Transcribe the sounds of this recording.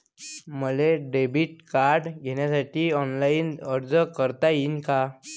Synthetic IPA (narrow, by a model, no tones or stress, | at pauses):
məleɖebʱiʈ̚kaɾɖɡʱeɳjasaʈiːɔnlainəɾd͡zəkəɾt̪ainka